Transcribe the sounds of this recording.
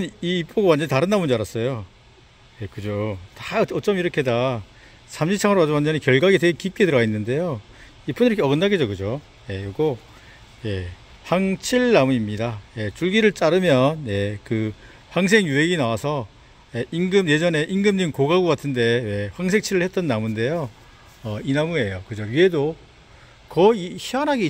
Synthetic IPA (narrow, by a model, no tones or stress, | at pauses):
ɯniːp͈oɡowand͡ʑʌnitaɾɯnːamund͡ʑiaɾas͈ʌjo | je̞kɯd͡ʑotḁʌt͡ɕ͈ʌmiɾʌkʰe̞da | sʰamɕʰit͡ɕʰaŋʌɾad͡ʑowand͡ʑʌnikjʌɭɡwaɡet̬eɡekip̚k͈e̞dɯɾʌɡainːɯnde̞jo | ip͈ʰuniɾʌkʰeʌɡɯnːaɡed͡ʑoɡɯd͡ʑo | je̞ɡo | je̞ | ɸwaŋt͡ɕʰiɭːamuimɲidaje̞t͡ɕ͈uɭɡiɾɯɭt͡ɕ͈aɾɯmjʌnje̞kɯ | ɸwaŋs̬ʰe̞ŋjuɦe̞ɡinawasʰʌ | jeʔiŋɡɯmje̞d͡ʑʌne̞ʔiŋɡɯmɲimkoɡaɡoɡatʰɯnde̞we̞ɸwaŋs̬ʰe̞ŋt͡ɕʰiɾɯɭhet̚t͈ʌnːamunde̞jo | ʌinamue̞jokɯd͡ʑoɥiɦe̞do | kʌiçianɦaɡe